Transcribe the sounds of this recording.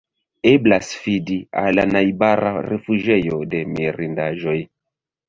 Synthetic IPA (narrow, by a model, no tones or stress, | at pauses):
eblasfidia̰lanajbaɾa̰refuʒejodemiɾindaʒoj